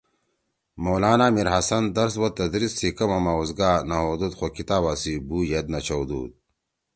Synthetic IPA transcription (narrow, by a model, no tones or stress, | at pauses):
moːlaːnaːmiɾɦɐsɐnd̪ɐɾs̬wɐt̪ɐd̪ɾisːikɐmɐmauzɡaːnɐɦoːd̪ut̪xokit̪aːβasibuːjed̪nɐt͡ɕʰowd̪ṵːd̪̚